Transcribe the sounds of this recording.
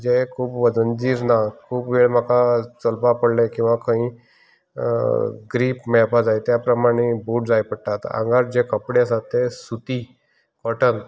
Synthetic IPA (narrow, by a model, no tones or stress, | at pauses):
d͡ʑekʰuːpʋəd͡zənd͡ʑiːɾnakʰuːpʋeɭm̤əkat͡səlpapəɽlẽkĩw̃ʋakãɦĩː | ɡɾiːpmɛpad͡zajt̪japɾəmaɽ̃ebuːʈ̚d͡zajpəɽʈ̪at̪a̰ŋɡaɾd͡ʑekəpɽeasat̪ːesut̪i | kəʈənt̪